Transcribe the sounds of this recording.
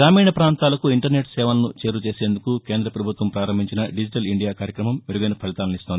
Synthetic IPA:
ɾaːmiːɳɐpɾaːnt̪aːlɐkuiɳʈɐɾne̞ːʈsɛːʋɐlɐnut͡ʃe̞ːɾut͡ʃe̞ːseːnd̪ukuke̞ːnd̪ɾɐpɾɐbʱut̪ʋɐmpɾaːɾɐmbʱiɲt͡ʃinɐɖid͡ʒiʈɐliɳɖijaːkaːɾjɐkɾɐmɐmʋeɾuɡɐjnɐpʰɐɭit̪aːlɐnist̪oːni

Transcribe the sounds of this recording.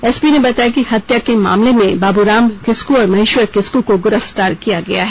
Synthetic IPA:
ɛsbinebɐt̪aːjakihɐt̪jakema̰ːmlemẽbaːbuɾaːmkɪskuɔːɾmɐɦiːʃwəɾkɪskukoɡʊɾəft̪aːɾkijaɡɐjaɦɛː

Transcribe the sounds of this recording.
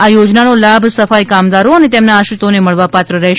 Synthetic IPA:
ajod͡ʒnanolabʱsəfajkamd̪aɾoənet̪emnaːʃɾit̪oneməɭʋapat̪ɾəɾɛɦ

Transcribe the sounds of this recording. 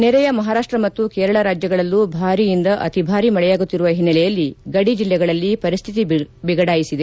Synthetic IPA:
nɛɾɛjɐmɐɦaːɾaːʂʈɾɐmɐt̪ːukeːɾɐɭɐɾaːd͡ʒjɐɡɐɭɐlːubʱaːɾijind̪ɐʔɐt̪ibʱaːɾimɐɭɛjaːɡut̪ːiɾuʋɐɦinːɐlɛjɐlːiɡɐɽid͡ʒilːɛɡɐɭɐlːipɐɾist̪ʰit̪ibiɡɐɽaːjisid̪e

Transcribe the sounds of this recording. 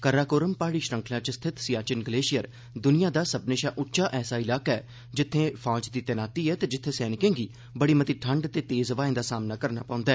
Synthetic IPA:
kəɾaːkoːɾəmpaːɽiːʃɾə̃ŋkʰnãːt͡ʃəst̪ʰɪt̪sɪjaːt͡ʃɪnɡəleːʃɪjəɾ | d̪ʊnɪjãːd̪aːsəbnẽːʃaːʔʊʈːt͡ʃaːʔɛːsaːɪlaːkaɛː | d͡ʒɪt̪ʰːẽːpʰãːt͡ʃd̪iːt̪ɛnaːt̪iːɛːt̪eːd͡ʒɪt̪ʰːẽːsɛːnɪkẽːɡiː | bəɽiːmət̪iːʈʰəɳɖt̪eːt̪eːzʋaːẽːd̪aːsaːmnaːkəɾnaːpãːnd̪aɛː

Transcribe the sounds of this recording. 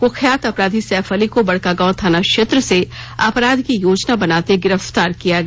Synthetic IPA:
kʊkʰjaːt̪ɐpɾaːd̪ʱisɛːfʰəlikobɐɽ̤kaɡãːt̪ʰaːnaʃeːt̪ɾəseaːpɾaːd̪ʱkijoːd͡ʒnabɐnaːt̪eɡɪɾəft̪aːɾkijaɡɐ

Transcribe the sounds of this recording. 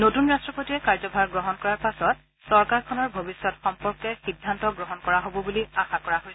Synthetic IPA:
notunɹastɹɔpotiɹɛkaɹzɔbʱaɹɡɹɔɦɔnkɔɹaɹpasɔt̚ | sɔɹkaɹkʰɔnɔɹbʱobisːɔtxɔmpɔɹkɛxidʱːantɔɡɹɔɦɔnkɔɹaɦobɔbuliaxakɔɹaɦojsɛ

